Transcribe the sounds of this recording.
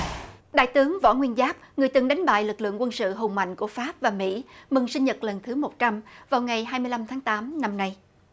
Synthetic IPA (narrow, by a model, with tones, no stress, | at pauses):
ɗa̰ː˧˨jt̪ɨ˨˦əŋvɔ̰˧˥ŋwi˧ənzaː˦˥p̚ŋɨ˨˩əjt̪ɨ˨˩ŋɗa˨˦jŋ̟ɓa̰ː˧˨jlɨ˨˩k̚lɨ̰˧˨əŋkwə˧nsɨ̰˧˨ɦo˨˩ŋ͡mma̰˧˨jŋ̟ku˧˩əfaː˦˥p̚vaː˨˩mḭ˧˥mɨ˨˩ŋsï˧ŋɲə˨˩t̚lə˨˩nt̪ʰɨ˨˦mo˨˩t̚t͡ɕa˧mvaː˨˩wŋa˨˩jɦaː˧jmɨ˧əjla˧mt̪ʰaː˨˦ŋt̪aː˨˦mna˧mna˧j